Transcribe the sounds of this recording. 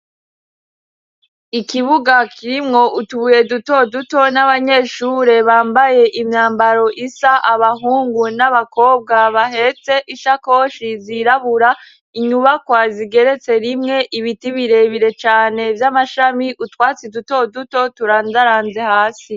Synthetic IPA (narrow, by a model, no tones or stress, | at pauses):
ikiβuɡakʰiɾimŋo̞ʔutuβuje̞duto̞duto̞naβaɲe̞ːʃuːɾe̞βaːmbaje̞ʔimɲaːmbaɾo̞ʔisaʔaβaɦuːŋɡunaβako̞ːb̚ɡaβaɦe̞t͡se̞ʔiʃako̞ʃiziɾaβuɾa | iɲuβakwaziɡe̞ɾe̞t͡se̞ɾimŋe̞ʔiβitiβiɾe̞βiɾe̞t͡ʃaːne̞vjamaʃamiʔutwaːt͡siduto̞duto̞tuɾaːndaɾaːnze̞haːsi